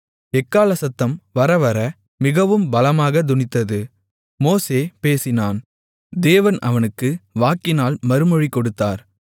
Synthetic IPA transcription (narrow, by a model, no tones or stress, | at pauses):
ɛkːaːlɐsɐt̪ːɐmʋɐɾɐʋɐɾɐ | mɪɣɐʋɯmbɐlɐmaːɣɐd̪ʊnɪt̪ːɐðɯ | moːseːpeːsɪnaːn | d̪eːʋɐnɐ̰ʋɐnɯkːɯʋaːkːɪnaːlmɐɾɯmɔɻikːɔɽɯt̪ːaːɾ